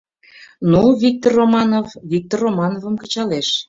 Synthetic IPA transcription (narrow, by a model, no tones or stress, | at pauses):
nuvik̚t̪orːomɑnovvik̚t̪orːomɑnovə̆mkə̥̆t͡ɕɑleʃ